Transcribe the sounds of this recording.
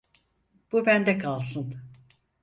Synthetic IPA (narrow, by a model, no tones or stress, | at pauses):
b̥ubænd̪ɛkʰalˠsɯn